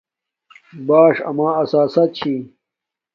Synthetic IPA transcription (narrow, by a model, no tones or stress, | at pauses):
baːʂɐ̰maːɐsaːsɐt̪̚t͡ɕʰi